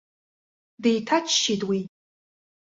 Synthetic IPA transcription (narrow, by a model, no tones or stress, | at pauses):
dejtʰat͡ʃʰʃitwi